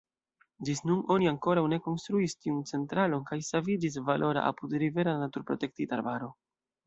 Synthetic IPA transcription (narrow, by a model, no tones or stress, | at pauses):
d͡ʒisnuno̞niaŋko̞ɾawne̞ko̞nstɾuistiunt͡se̞ntɾalo̞nkajsavid͡ʒis̬valʔo̞ɾa̰ʔa̰pudɾive̞ɾanatuɾpɾo̞te̞k̚tita̰ɾbaɾo̞